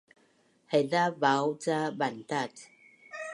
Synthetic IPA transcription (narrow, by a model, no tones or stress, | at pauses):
hɛdabawt͡sabant̪at